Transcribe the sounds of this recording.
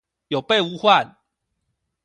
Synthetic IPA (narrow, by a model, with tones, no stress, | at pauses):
jo˨˩pe˥˧u˦hwa˥˨n